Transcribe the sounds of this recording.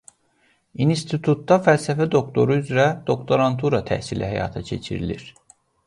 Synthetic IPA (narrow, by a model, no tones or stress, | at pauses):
inst̪ʰit̪ʰut̪ːɑfælsæfæd̪o̞kt̪ʰo̞ɾuyzɾæd̪̥o̞kt̪ʰo̞ɾant̪ʰuɾɑt̪ʰæ̰hsilʔæhæjɑ̰ːt̪ʰɑcʰe̞̰t͡ʃʰḭɾḭlḭɾ̥